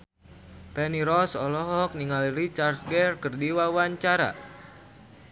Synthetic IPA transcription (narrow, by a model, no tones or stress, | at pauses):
pɛniɾɔsɔlɔɦɔk̚niŋalrit͡ʃart̪̚ɡɛrkərdiwawaɲt͡ʃaɾa̰